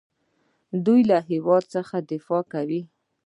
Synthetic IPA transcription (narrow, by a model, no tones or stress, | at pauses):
d̪ujlaɦɪwɑd̪̚səxad̪ɪfɑkawi